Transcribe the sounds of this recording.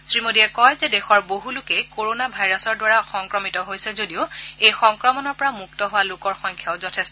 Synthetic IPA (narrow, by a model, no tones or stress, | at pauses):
sɹimodiɛkɔjzɛdɛxɔɹboɦulʊkɛjkoɹonabʱajɹasɔɹdwaɹaxɔŋkɹɔmitɔɦojsɛzodiʊejxɔŋkɹɔmɔnɔɹpɔɹamuk̚tɔɦʊwalʊkɔɹxɔjŋkʰjaʊzɔtʰɛs